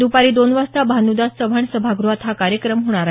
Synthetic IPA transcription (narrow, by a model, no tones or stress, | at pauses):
d̪upaɾiːd̪onʋast̪abʱanud̪assəʋʱaɳsəbʱaɡɾuʋat̪ɦakaɾjəkɾəmɦoɽ̃aɾa